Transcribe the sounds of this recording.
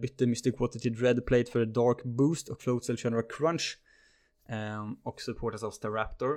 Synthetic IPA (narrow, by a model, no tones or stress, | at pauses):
bʏt̪ːəmɪst̪əkʰwɔt̪ɪt̪ʰɪd̪ɹɛd̪pʰleɪt̪fœɾɛd̪ɑːɹkbuːst̪ɔkfloʊd̪səlʃɛnɾakʰɾanʃ | ɔksɵpʰoːʈasavst̪ʰəɹæpt̪ɔɹ